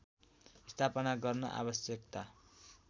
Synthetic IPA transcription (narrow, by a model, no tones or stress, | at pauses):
ist̪ʰapʌnaɡʌrnʌ̰ʔa̰βʌsjʌkt̪a